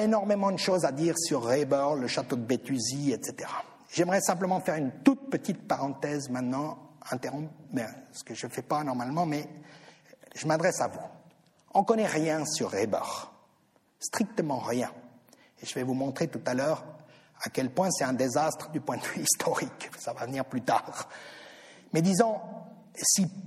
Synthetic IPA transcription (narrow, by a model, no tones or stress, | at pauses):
enɔʁmemɑ̃d̪əʃozad̪iːʁsyʁːebœʁləʃat̪od̪əbet̪yziɛt̪set̪eʁa | ʒɛmʁɛsɛ̃pləmɑ̃fɛʁynt̪ut̪̚pət̪it̪paʁɑ̃t̪ɛzmɛ̃t̪nɑ̃ɛ̃t̪eʁɔ̃pmɛ̃sə̥kəʒəfɛpanɔʁmalmɑ̃mɛ | ʒəmad̪ʁɛsavu | ɔ̃kɔnɛʁjɛ̃syʁːebœ̰ʁ | st̪χik̚t̪əmɑ̃ʁjɛ̃ | eʒəvɛvumɔ̃t̪χet̪ut̪alœːʁ | akʲɛlpwɛ̃sɛt̪ɛ̃d̪ezast̪χəd̪ypwɛ̃d̪əvyist̪ʰɔʁiksavavəniʁplyt̪aːʁ | mɛd̪izɑ̃ | si